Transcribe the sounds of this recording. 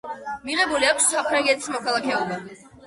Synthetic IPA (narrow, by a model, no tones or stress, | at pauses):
miʁɛbuliakʰʷsːapʰɾaŋɡɛt̪ʰi̥smɔkʰalˠakʰɛɔba